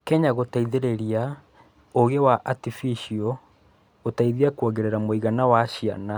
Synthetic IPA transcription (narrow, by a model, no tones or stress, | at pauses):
kɛɲaɣotaiðeɾeɾia | oɣewaʔatifiʃiɔ | otaiðiakwoɣeɾeɾamoiɣanawaʃia̰na